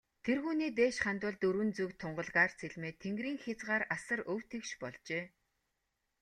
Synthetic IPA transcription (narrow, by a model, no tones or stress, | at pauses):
t̪ʰerɣuːniːt̪̬eːʃχant̪ʊ̆ːɮt̪ɵɾwɘ̆nt͡sukt̪ʰːʊɴɢə̆ɮʁaːrt͡sʰeɮʲmeːt̪ʰeŋɡriːŋxʲat͡sʁaːɾasə̆rɵwt̪ʰĕkʃpɔɮt͡ɕeː